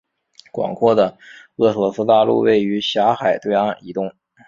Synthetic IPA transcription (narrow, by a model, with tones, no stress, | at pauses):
kwɑ̰˨˩ŋkʰwɔ˥˩d̪ə˩ | ɤ˥˩sɤ˧˥sɹ̩˥t̪a˥˧lṵ˥˧we˥˩ɪy˧˥ɕja˧˥xa˨˩ɪt̪we˥˧a˥˩ni˧˥t̪ʊ˥˧ŋ